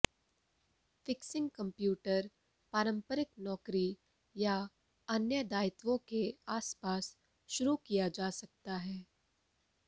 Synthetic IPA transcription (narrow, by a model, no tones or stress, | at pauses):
fɪksɪ̃ŋɡkɐ̃mpjuːʈəɾ | paːɾə̃mpəɾɪknɔːkɾi | ja | ɐnjəd̪aːɪt̪ʋõkeaːspaːs | ʃʊɾukijad͡ʒaːsɐk̚t̪aɦɛː